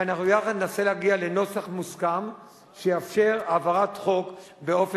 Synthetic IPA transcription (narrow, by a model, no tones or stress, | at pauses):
anaχnujaχadnnase̞leaɡiale̞no̞saχmuskam | ʃejafʃe̞ʁavaʁat̪χo̞k | be̞o̞f